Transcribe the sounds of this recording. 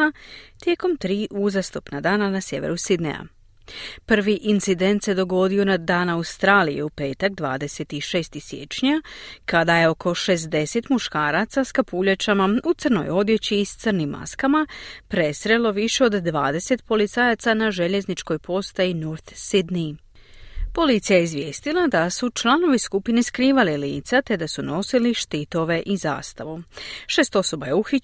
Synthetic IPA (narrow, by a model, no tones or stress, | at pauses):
t̪je̞ko̞mt̪ɾiːʔuzast̪upnad̪aːnanasje̞ʋḛɾusid̪nḛa̰ | pr̩ʋiʔint̪sid̪e̞nt̪se̞d̪o̞ɡo̞d̪io̞nad̪aːnawst̪ɾaːlije̞̰upe̞ːt̪akd̪ʋa̰ːd̪e̞set̪iʃe̞ːst̪isje̞̰t͡ʃɲakad̪aje̞o̞kʰo̞ʃe̞zd̪e̞se̞t̪muʃkaːɾat̪saskapuʎet͡ɕamaut̪sɨrno̞̰jo̞d̪je̞t͡ɕiːst̪ɨrnimːa̰skamapɾe̞sɾe̞lo̞ʋiʃe̞o̞d̪ːʋa̰ːd̪e̞se̞t̪po̞lit̪sajat̪sanaʒe̞ʎe̞znit͡ʃko̞jpo̞st̪ainuɾt̪sid̪ni | po̞lit̪sijajeizʋje̞ːst̪ilˠad̪asut͡ʃlˠano̞ʋiskupineskɾiːʋalilḭːt̪sat̪e̞d̪asuno̞siliʃt̪it̪o̞ʋe̞ʔiza̰ːst̪aʋuʃe̞ːst̪o̞so̞baje̞uxi